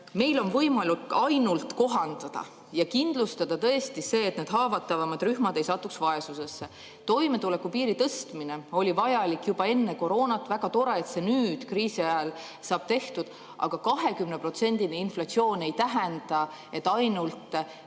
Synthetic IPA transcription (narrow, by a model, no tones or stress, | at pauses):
me̞jlo̞nvɤ̞jmɑluk̪ɑjnult̪ko̞ɦɑnd̪̥ɑd̪̥ɑ̰ | jɑkind̪̥lust̪ɑd̪̥ɑt̪ɤ̞est̪ise̞ːt̪ːneːd̪ɦɑːvɑt̪ːˑɑvɑmɑd̪̥ryhmɑd̪̥e̞jsɑt̪ːˑuksvɑe̞suse̞sːe̞ | t̪o̞jme̞t̪ule̞kːupiːɾit̪ɤst̪mine̞o̞lʲivɑjɑlikːjub̥ɑe̞nːeko̞ɾo̞ːnɑt̪ːˑvæɡ̥ɑt̪o̞ɾeet̪se̞nyːd̪̥kriːsiɑel | sɑːb̥̚t̪e̞ht̪ud̪̥ | ʔɑ̰ɡ̥ɑkɑɦe̞kymnepro̞t̪se̞nʲd̪̥ineinflɑt̪sio̞ːne̞jt̪æɦɛnd̪̥ɑe̞t̪ːˑɑjnult̪ˑ